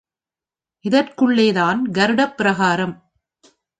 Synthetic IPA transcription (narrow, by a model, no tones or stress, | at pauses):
ʔɪðɐrkɯɭːeːðaːnɡɐɾɯɽɐpːɪɾɐɣaːɾɐm